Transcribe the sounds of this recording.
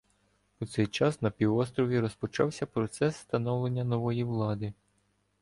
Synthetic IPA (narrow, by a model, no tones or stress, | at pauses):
ut̪sɛjt͡ʃɑsnɐpʲiʋɔst̪ɾɔʋʲiɾɔspɔt͡ʃɑwsʲɐpɾɔt̪sɛsːt̪ɐnɔwlˠe̞nʲːɐnɔʋɔjiʋlˠɑd̪ɪ